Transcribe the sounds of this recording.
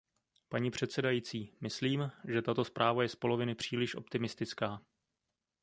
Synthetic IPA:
paɲiːpr̝̥ɛt̪sɛdajit͡siːmɪsliːmʒɛt̪at̪o̞spɾʔaːvajɛspo̞lo̞vɪnɪpr̝̥iːlɪʃʔo̞̰pt̪ɪmɪst̪ɪt͡skaː

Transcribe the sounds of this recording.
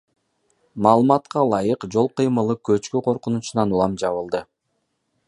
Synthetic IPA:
mɑːlˠɯmɑt̪qɑlˠɑjɯqd͡ʒo̞lˠqɯjmɯlˠɯkø̞t͡ʃkyqʰo̞ɾqunut͡ʃunɑnulˠɑmd͡ʒɑβɯlˠd̪ɯ

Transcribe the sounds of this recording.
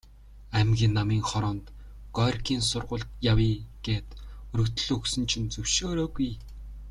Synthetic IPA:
æmɡʲiːnːamiːŋχɔɾɔːnt̪ | ɡ̥ɔrʲkʰiːnsʊrʁʊ̆ɮt̪jawiːɡ̥eːt̪ɵɾɵ̆kt̪ɵ̥̆ɮɵksɵ̆nt͡ɕʰĭnt͡sɵw̥ʃoːɾɔːɡuj

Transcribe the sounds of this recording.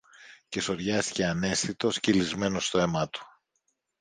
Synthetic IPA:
ce̞so̞ɾʝɐst̪i̥ce̞ɐne̞sθit̪o̞scilizme̞no̞st̪o̞e̞mɐt̪u̥

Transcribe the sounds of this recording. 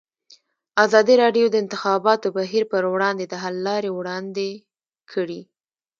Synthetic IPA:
azɑd̪iɾɑɖjod̪əɪnt̪ɪxɑbɑt̪obaɦiɾpəɾwɽɑnd̪ed̪əɦalːɑɾewɽɑnd̪e | kʰəɽi

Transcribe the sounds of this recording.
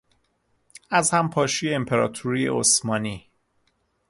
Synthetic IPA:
æzhæmpʰɒːʃijeempʰeɾɒ̰ːt̪ʰuɾijḛosmɒːniː

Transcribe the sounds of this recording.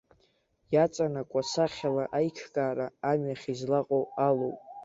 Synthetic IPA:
jat͡sʼanakʷʼasaχʲalaʔajt͡ʃʰkʼaːɾaːmɥaχʲizlaqʼowalowpʼ

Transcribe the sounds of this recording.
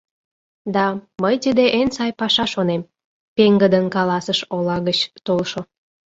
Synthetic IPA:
d̪ɑməjt̪id̪eʔensɑjpɑʃɑʃonem | peŋɡəd̪ənkɑlɑsəʃolɑɣət͡ɕt̪olʃo

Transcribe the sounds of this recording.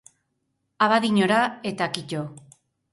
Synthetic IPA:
aβaðiɲoɾae̞t̪akico

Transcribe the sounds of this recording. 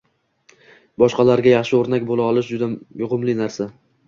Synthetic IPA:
bɒʃqɑlaɾɡʲajɑχʃɪoɾnakʲbolaɒlˠɪʃd͡ʒʊd̪ajʊʁʊmlɪnaɾsa

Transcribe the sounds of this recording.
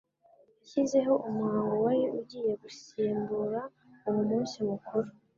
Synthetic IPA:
jaçize̞ɦo̞ʔumhaːŋɡo̞wajeʔuɟiːje̞ɡusiːmbuɾa | umunuːsimukuɾo

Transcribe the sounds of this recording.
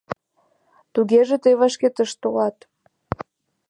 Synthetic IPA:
t̪uɣeʒĕt̪ejvɑʃket̪əʃt̪olɑt̪

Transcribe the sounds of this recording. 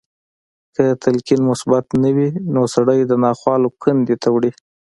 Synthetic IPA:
kət̪alkinmʊsbat̪nawinosaɽəjd̪ənɑxwɑlokand̪et̪ʰawɽi

